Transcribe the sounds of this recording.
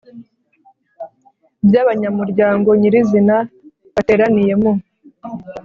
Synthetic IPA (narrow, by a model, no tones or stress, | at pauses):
bjaːβaɲamuɾɟaːŋɡo̞ɲiɾizina | βate̞ːɾanije̞mo